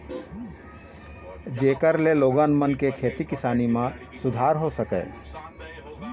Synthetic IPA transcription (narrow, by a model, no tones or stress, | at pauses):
d͡ʒeːkəɾleloːɡãːnmənkekʰeːt̪ikɪsaːnimã | sʊd̪ʱaːɾɦosəkɛ̰ː